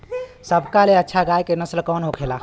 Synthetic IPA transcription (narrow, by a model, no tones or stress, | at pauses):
səbkaleətːʃʰaɡaːjkenəslkɔːnɦokʰeːlaː